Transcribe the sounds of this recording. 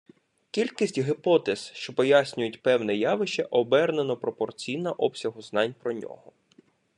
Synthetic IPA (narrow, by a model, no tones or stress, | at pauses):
kʲilʲkisʲtʲɦɪpɔt̪ez̥ʃt͡ʃɔpɔjasʲnʲʊjʊtʲpɛwnɛjɑʋɪʃt͡ʃɛʔɔbɛrnenɔpɾɔpɔrt͡sʲijnɐʔɔpsʲɐɦʊznɑnʲpɾɔnʲɔ̰ɦɔ